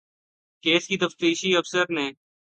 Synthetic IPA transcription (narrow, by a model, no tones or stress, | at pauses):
keːskiːt̪əft̪iːʃiːəfsəɾnẽː